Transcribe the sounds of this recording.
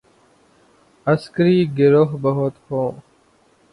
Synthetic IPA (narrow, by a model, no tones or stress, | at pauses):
əskəɾiːɡɪɾoɦbəɦot̪hõː